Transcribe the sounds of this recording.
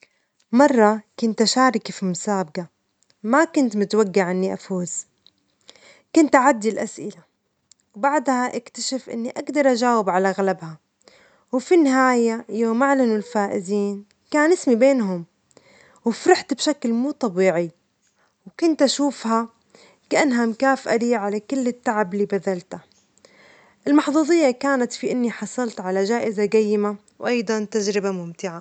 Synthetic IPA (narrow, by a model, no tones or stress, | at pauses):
mɑrˤːɑkʊnt̪ʔaʃaːɾˤɪkifimʊsaːbɡa | makʊnt̪mʊt̪waɡːaʕanːiʔa̰fuːz̥ | kʊnt̪ʔaʕad̪ːilʔasʔɪ̰la | wbaʕd̪haʔɪkt̪aʃɪfʔɪ̰nːiʔaɡd̪ɑɾˤʔaʒaːwɪbʕalaɣalabha | wfinːɪɦaːjajoːmaʕlanʊlfaːʔɪziːn | kaːnʔɪsmibeːnɦʊm | wɪfɾˤɑħt̪bʃaklmuːt̪ˤɑbiːʕi | wkʊnt̪ʔaʃuːfha | kaʔanɦamkaːfʔad̪iːʕalakɪlːɪt̪ːaʕabɪliːbaðalt̪a | ʔɪlmɑħðˤuːðˤɨjːakaːnat̪fiʔɪnːiħɑsˤɑlt̪ʕalaʒaːʔɪzaɡajːɪma | wʔɑjd̪ˤɑnt̪ad͡ʒɾɪbamʊmt̪ɪʕa